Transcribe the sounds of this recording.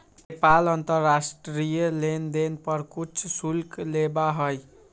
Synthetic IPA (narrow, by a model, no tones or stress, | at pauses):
nepalʌnt̪ʌrːasʈɾijʌlend̪enpʌɾkut͡ʃʰsulklebaɦoj